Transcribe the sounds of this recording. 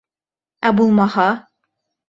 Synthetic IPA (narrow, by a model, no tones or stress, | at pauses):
æbulˠmɑhɑ